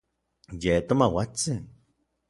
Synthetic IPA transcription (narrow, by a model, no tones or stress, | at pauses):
jet̪omawat͡sin